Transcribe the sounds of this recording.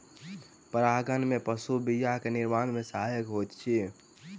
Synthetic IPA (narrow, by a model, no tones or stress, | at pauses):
pəɾaɡənmepəsubijaɦkeniɾmanmesaɦajəkɦojt̪t͡ʃʰi